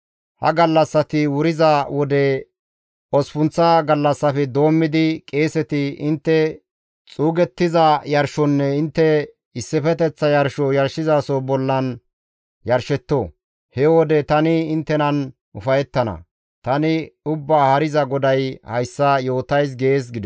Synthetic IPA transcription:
hɐ̰ɡɐlːɐsːɐt̪ɪwʊɾɪzɐwɔd̪ɛ | ɔspʊnt͡sːɐɡɐlːɐsːɐfɛd̪o̞ːmːɪd̪ɪkʼeːsɛt̪ɪɪnt̪ːɛ | t͡sʼuːɡɛt̪ːɪzɐjɐɾʃɔnːɛɪnt̪ːɛ | ɪsːɪfɛt̪ɛt͡sːɐjɐɾʃɔjɐɾʃɪzaːsobɔlːɐn | jɐɾʃɛt̪ːoː | hɛwɔd̪ɛt̪ɐnɪɪnt̪ːɛnɐn | ʊfɐjɛt̪ːɐnɐ̰ | t̪ɐnɪʊbːaːhɐɾɪzɐɡɔd̪ɐjhɐjsːɐjo̞ːt̪ɐjs̬ɡeeːs̬ɡɪd̪

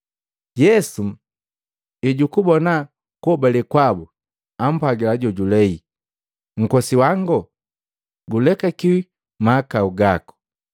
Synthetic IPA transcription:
jɛsu | iɟukubɔna | kɔbalikwabu | am̩paɡilaɟɔɟulɛi | ŋ̩kɔsiwaŋɡɔ | ɡulɛkakiwi | maːkauɡakɔ̥

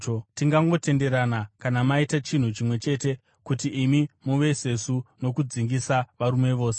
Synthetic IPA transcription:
tiŋɡaŋɡo̞te̞nde̞ɾanakanamaitat͡ʃin̤ut͡ʃimwe̞t͡ʃe̞ːte̞ | kutiːmimuʋe̞se̞suno̞kud͡ziŋɡisaʋaɾume̞ʋo̞ːse̞

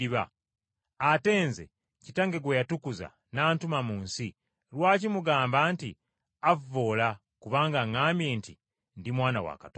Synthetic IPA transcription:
iβa̰ː | te̞ːnzḛ | citaŋɡe̞ɡwejatukuza̰ | naːntumamuːnsi | ɾwaːcimuɡaːmbaːnti | avo̞ːla | kuβaːŋɡaŋaːmbje̞ːnti | ndimwaːna̰wa̰katː

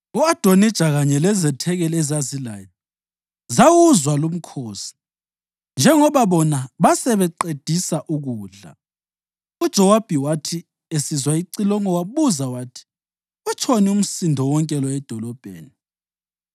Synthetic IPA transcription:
uad̥ʱonid̥ʒ̥ʱaɣaɲɛlɛzɛtʰɛɣɛlɛzazila̰ːjɔ | zawuzwalum̩kʰoːsi̥ | nd͡ʒʱɛŋɔβaβɔnaβasɛβɛǃed̥ʱisaʔuɣuːɮa̰ | ud̥ʒ̥ʱɔwab̥ʱiwatʰi | esizwaiǀilɔŋɔwaβuzawatʰi̥ | ɛt͡ʃʰɔnium̩sindʱɔwɔŋkʼɛlɔɛd̥ʱɔlɔb̥ʱḛːni

